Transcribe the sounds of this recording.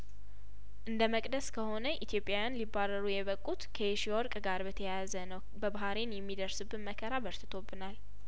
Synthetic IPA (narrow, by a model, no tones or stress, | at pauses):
ʔɨnd̪əməkʼd̪əskʰəho̞nəʔit̪ʰjo̞pʼːjajanlibːarəɾujɛβəkʼːut̪kʰəeʃiɔɾkʼɡaɾbət̪ʰəjazənəw | bəbaɦaɾenjɛmːid̪əɾsɨbːɨnməkʰəɾabəɾt̪ʰɨt̪ʰo̞bːɨnal